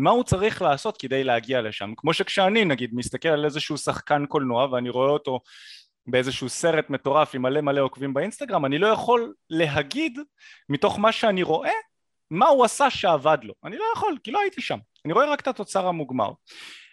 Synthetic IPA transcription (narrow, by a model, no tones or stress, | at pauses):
maut͡saʁiχlaːso̞t̪ked̪ejleaɡiale̞ʃa̰mkmo̞ʃekʃeaninaɡid̪mist̪ake̞lalezeʃuusaχkanko̞lnoaveaniʁo̞eo̞to̞ | beezeʃuuse̞ʁe̞t̪me̞t̪o̞ʁafimale̞male̞o̞kvimbainst̪aɡʁamanilo̞jaχo̞lːe̞ɦaɡid̪ | mit̪o̞χmaʃeaniʁo̞ʔe̞ | mauasaʃe̞avad̪lo̞̰anilo̞jaχo̞lkiloait̪iʃam | aniʁoe̞ʁake̥t̪at̪o̞t͡saʁhamuɡma̰ʁ